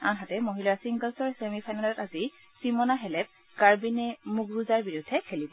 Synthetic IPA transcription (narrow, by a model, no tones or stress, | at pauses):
anɦatɛmoɦilasiŋɡəlsɔɹsemipʰajnalɔtazi | simɔnaɦɛlɛp̚ | kaɹbinɛmuɡɹuzaɹbiɹudʱːɛkʰelibɔ